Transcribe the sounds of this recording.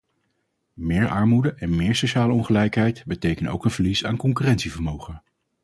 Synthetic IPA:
mɪːɹʔɑ̰ɹmudəʔɛnmɪːɹsoʃaːləɔnχəlɛjkɦɛjtbətejkənto̰wkənvəɹlisaːnkɔŋkyːrɛntsivəɹmowχə

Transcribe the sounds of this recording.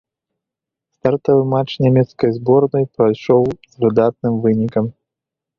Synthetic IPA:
st̪art̪ɔvɨmat͡ʂnʲamʲɛt̪skɐjzbɔrnɐjpɾajʂɔwzvɨd̪at̪̚nɨmvɨnʲikɐm

